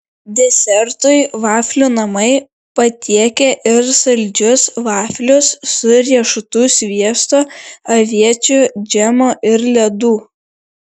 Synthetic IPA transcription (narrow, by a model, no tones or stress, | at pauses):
d̪ʲɛsʲɛɾt̪ʊɪʋɑːfʲlʲuːnɐmɐɪ | pɐt̪ʲiɛkʲɛʔɪɾsɐlʲd͡ʒʲʊsʋɑːfʲlʲʊsːʊɾʲiɛʃʊt̪uːsʲʋʲiɛst̪oɐʋʲiɛt͡ʃʲʊd͡ʒʲæmoːʔɪɾlʲɛd̪uː